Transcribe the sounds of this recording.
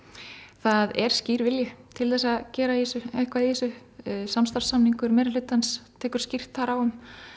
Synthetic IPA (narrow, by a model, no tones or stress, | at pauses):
θaðɛɾ̥sciːɾvɪljʏt̪ʰɪlθɛsːaðcɛːɾaiisʏejhkvaðiisʏsamst̪aɾ̥sːamniŋkʏɾmɛːɾɪl̥ʏt̪ːanst̪ʰɛːkʏ̥ɾ̥scir̥t̪aɾawʏm